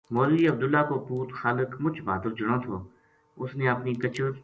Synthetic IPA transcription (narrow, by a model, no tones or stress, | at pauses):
moːliːəb̚d̪ʊlːaːkopuːt̪xaːləkmʊt͡ʃʰbaːd̪əld͡ʒʊɽ̃õːt̪ʰoː | ʊsneːɐpniːkət͡ʃʰəɾ